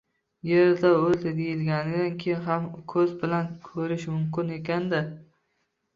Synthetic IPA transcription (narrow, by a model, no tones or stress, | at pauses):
jeɾd̪aold̪ad̪ejɪlɡʲanɪd̪ankʲʰejɪnɦamkʰɵzbɪlankʰɵɾɪʃmʊmkʲɪne̞kʲand̪ɪ